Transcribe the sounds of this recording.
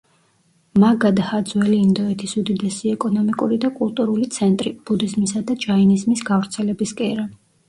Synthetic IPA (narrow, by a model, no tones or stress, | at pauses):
maɡad̪ahad̪zwɛliːnd̪ɔɛt̪ʰisud̪id̪ɛsiɛkʼɔnɔmikʼuɾid̪akʼulˠt̪ʼuɾulit̪sʰɛnt̪ʼɾib̥ud̪izmisad̪ad͡ʒainizmisɡavɾt̪sʰɛlɛbiskʼɛɾa